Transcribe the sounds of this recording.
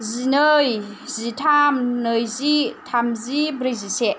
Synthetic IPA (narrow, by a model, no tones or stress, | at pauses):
zinɯj | zitʰamnɯjzitʰamzibɾizise